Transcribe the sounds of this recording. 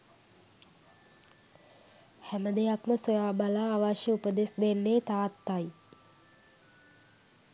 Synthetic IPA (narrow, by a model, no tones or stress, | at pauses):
hæməd̪ejakməsojaːbalaːʋaʃjəupəd̪esd̪enːeːt̪aːt̪ːaj